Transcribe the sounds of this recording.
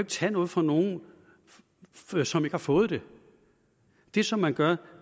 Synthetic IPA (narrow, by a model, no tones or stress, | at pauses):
eɡ̥̚t͡sʰɛnɔ̽ːð̞̩ˠfʁɑ̈no̝ːn̩ | sɒ̽me̝ɡ̥hɑ̈fɔ̽ːð̞̩ˠd̥e̝ | d̥e̝sɒ̽mːænɡ̥ɶɐ